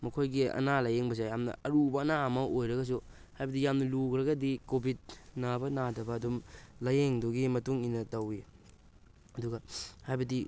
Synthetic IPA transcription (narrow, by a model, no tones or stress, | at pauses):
mɐkʰojɡiɐ̰nalajeŋbɐs̬ejamnɐ̰ɐɾubɐːnaɐmɐʔojɾɐɡɐs̬u | hajbɐdijamnɐlukɾɐɡɐdikobʱit̚nabɐnadɐbɐːdumlɐjeŋduɡimɐtuŋinɐtɐwi | ɐduɡɐhajbɐdi